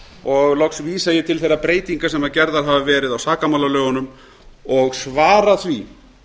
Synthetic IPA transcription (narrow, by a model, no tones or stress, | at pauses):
ɔɣlɔksviːsajɛt̪ʰɪlθejrːapɾeːjt̪iŋkasɛmacɛɾðaɾ̥ɦavavɛːɾɪðawsaːkamawlalœːɣʏnʏm | ɔɣsvaːɾaθvi